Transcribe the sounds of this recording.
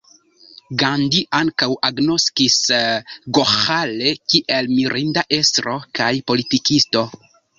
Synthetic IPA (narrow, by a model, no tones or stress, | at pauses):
ɡandiʔaŋkawʔaɡno̞skis | ɡoxalekiʔe̞lmiɾʔindaʔe̞stɾo̞kajpo̞litikisto̞